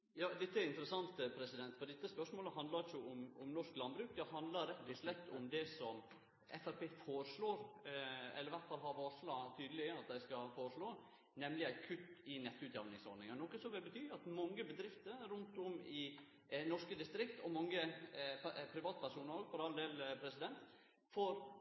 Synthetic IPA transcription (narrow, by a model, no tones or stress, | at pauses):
jɑːd̪ɛt̪ːəɛɾɪnt̪əɾəsɑnt̪pʰɾɛsɪd̪ɛnt̪fɔɾd̪ɛt̪ːəspœʂmoːləɦɑnd̪lɑɾt͡ʃʊʊmʊmnɔʂklɑnbɾʉːkd̪ɛɦɑnd̪lɑɾɛpːt̪ɪʂlɛt̪ːʊmd̪ɛsɔm | ɛ̰fæɾpeːfoːɾəʂɭoːɾ | ɛ̰lːəɾʋæɾt̪fɑlɦɑɾfoːɾʂlɑːt̪ʰyːd̪əlɪɑt̪̚d̪æɪskɑlfoːɾəʂɭoː | nɛməlɪæɪkʰʉt̪ːɪnɛt̪ːʉːt̪jɛʋnɪŋsɔ̰ɾnɪŋənɔkːəsɔʋɪlbət̪ʰyːɑt̪mɑŋːəbəd̪ɾɪft̪əɾɾʉnt̪ʊmɪ | nɔʂkəd̪ɪst̪ɾɪkt̪ʰɔmɑŋːə | pʰɾɪʋɑːt̪̚pʰæɾʂuːnəɾɔɡfɔɾɑld̪eːlpʰɾɛsɪd̪ɛnt̪ | foɾ